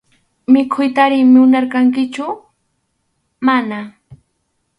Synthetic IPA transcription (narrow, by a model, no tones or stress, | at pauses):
mɪkʰʊjt̪aɾɪŋmɪʊnaɾkaŋkɪt͡ʃʊ | mana